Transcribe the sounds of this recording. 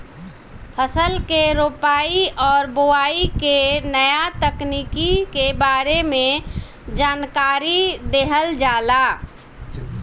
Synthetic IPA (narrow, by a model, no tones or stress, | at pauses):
pʰəsəlkeɾoːpaːiʔɔːɾboaːikenəjat̪əkniːkikebaːɾemẽ | d͡ʒaːnkaːɾid̪eɦəld͡ʒaːlaː